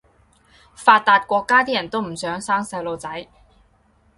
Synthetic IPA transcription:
faː˧t̚t̪aː˧t̚kʷɔː˧kːaː˥t̪iː˥jɐ˨˩nt̪o˥wm̩˨˩sœː˨˥ŋsaː˥ŋsɐ˨˧˥wlo˨˧wt͡sɐ˨˥j

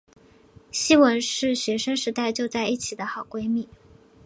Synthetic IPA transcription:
ɕi˥wə˧˥nʂɻ̩˥˩ɕɥɛ˧˥ʂə˥ŋʂɻ̩˧˥t̪a˥˧ɪt͡ɕjo˥˧ʊt͡sa˥˧ɪi˥˩t͡ɕʰi˨˩d̪ə˦xɑ˨˩ʊkwe˥ɪmi˨˩˦

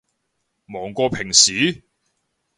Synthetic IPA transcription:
mɔː˨˩ŋkʷɔː˧pʰɪ˨˩ŋsiː˨˥˦

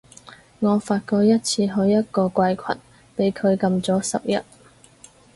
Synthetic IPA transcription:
ŋɔː˨˧faː˧t̚kɔː˧k̚jɐ˥t̚t͡sʰiː˧ɦɵ˨˧ɥjɐ˥t̚kɔː˧kʷɐ˧jkʷʰɐ̰˨˩n | pe˨˥jkʰɵ˨˧ɥkɐ˧mt͡sɔː˨˥sɐ̰˨p̚jɐ̰˨t̚

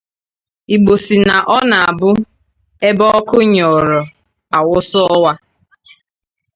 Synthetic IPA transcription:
i˨ɡ͡bo˨si˨na˨ʔɔ˦na˨a˨bʊ˦ | e˦bɔ˦ɔ˦kʊ˦ɲɔ˨ɾɔ˨ | a˨wʊ˦sʊ˦ɔ˦wa˦

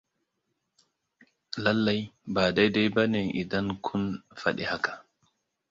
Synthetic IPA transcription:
la˦lːa˦jbaː˨da˦jda˦jba˦ne˨ʔi˨da˦ŋkʰʊ˦nfa˦ɗi˨ha˦kḁ˨

